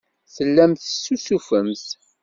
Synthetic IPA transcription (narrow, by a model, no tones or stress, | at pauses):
θəlːæmθsːusufəmθ